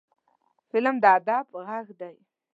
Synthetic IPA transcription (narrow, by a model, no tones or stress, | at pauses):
fɪlmd̪əad̪ɑbɣaɣd̪aj